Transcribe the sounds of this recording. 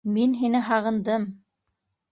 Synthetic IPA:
minɦinɘɦɑʁɤ̆nd̪ɤm

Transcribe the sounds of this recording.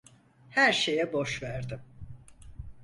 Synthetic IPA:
hæɾʃe̞jɛbo̞ʃvæɾd̪ɪm

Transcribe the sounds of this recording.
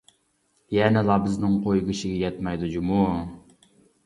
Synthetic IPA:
jɛnɛlˠɑbɪznɪŋqʰojɡiʃɪɡʲɛjɛt̪mɛjd̪ud͡ʒumu

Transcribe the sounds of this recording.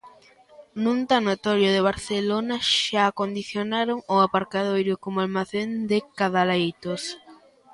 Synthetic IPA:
nunt̪anot̪ɔɾjʊðeβ̞aɾθelonaʃaːkond̪iθjonaɾoŋʊapaɾkaðojɾʊkomʊalmaθend̪ɪkaðalejt̪os

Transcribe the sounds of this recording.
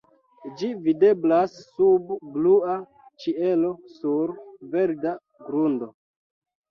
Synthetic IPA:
d͡ʒivide̞blasːubblua | t͡ʃie̞lo̞suɾve̞ɾda | ɡɾundo

